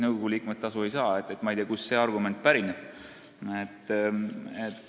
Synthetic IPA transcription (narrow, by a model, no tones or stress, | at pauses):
nɤwɡ̥o̞ɡ̥uliːkumet̪t̪ːɑsue̞jsɑːet̪ːˑet̪ːmɑejt̪iːˑɑkusːe̞ːɑrɡume̞nt̪̚ˑpæɾineb̥̚ | et̪ː | et̪